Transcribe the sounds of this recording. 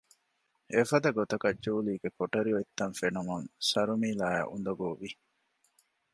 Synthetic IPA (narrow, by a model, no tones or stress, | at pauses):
efɐd̪ɐɡot̪ɐkɐd͡ʒuːliːɡekoʈɐɾioit̪ːɐnfenumuŋsɐɾumiːlaːja̰ʔṵnd̪ɐɡoːʋi